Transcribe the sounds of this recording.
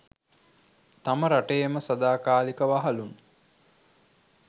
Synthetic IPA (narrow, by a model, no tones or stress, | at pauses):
t̪aməɾaʈejməsɐd̪aːkaːlikəʋaɦalun